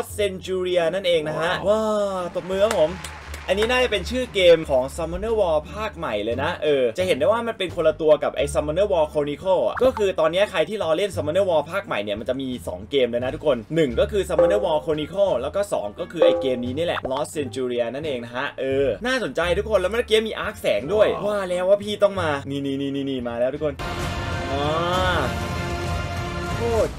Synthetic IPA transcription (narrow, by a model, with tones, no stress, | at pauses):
t̚se˧nt͡ɕuː˧ɾi˧ɐna˥˩nʔeː˧ŋna˦˥kʰa˦˥ʔwaː˥˩t̪o˨˩t̚mɯː˧kʰa˦˥pʰo˩˦m | ʔa˧nːiː˦˥naː˥˩t͡ɕa˨˩pe˧nt͡ɕʰɯː˥˩keː˧mkʰɔː˩˦ŋsa˧mɔ˧nɤː˥˩wɔː˧pʰaː˥˩k̚ma˨˩jlɤː˧jna˦˥ʔɤː˧t͡ɕa˨˩ʔhe˩˦nda˥˩waː˥˩ma˧npe˧nkʰo˧la˧t̪u˧ɐka˨˩p̚ʔa̰˧jsa˧mːɔ˧nɤː˥˩wɔː˧kʰoː˧ni˧˥kʰo˥˩a̰˨˩kɔː˥˩kʰɯː˧t̪ɔː˧nːi˦˥ɐkʰa˧jt̪ʰiː˥˩lɔː˧le˥˩nsa˧mɔ˧nɤː˥˩wɔː˧pʰaː˥˩k̚ma˨˩jni˥˩ma˧nt͡ɕa˨˩miː˧sɔ̰ː˩˦ŋkeː˧mlɤː˧jna˦˥t̪ʰu˦˥kʰo˧nːɯ˨˩ŋkɔː˥˩kʰɯː˧sa˧ma˧nɤː˥˩wɔː˧kʰoː˧ni˧kʰɤ˥˩lɛː˦˥wkɔː˥˩sɔ̰ː˩˦ŋkɔː˥˩kʰɯː˧ʔa˧jkeː˧mniː˦˥ni˦˥˩lɛ̰˨˩ʔlɔː˦˥sse˧nt͡ɕuː˧ɾiː˧ɐ˧na˥˩nʔeː˧ŋna˦˥kʰa˦˥ʔʔɤː˧naː˥˩so˩˦nt͡ɕa˧jt̪ʰu˦˥kʰːo˧lːwm˧n˦˧kiː˧˥miː˧ʔaː˦˥k̚sɛː˩˦ŋdu˥˩əjwaː˥˩lɛː˦˥waː˥˩pʰiː˥˩t̪ɔ˥˩ŋmaː˧niː˧˩niː˧˩niː˧˩niː˧˩niː˧˩maː˧lɛː˦˥t̪ʰu˦˥kʰo˧nʔɔː˨˧˦ | kʰuː˥˩t̪̚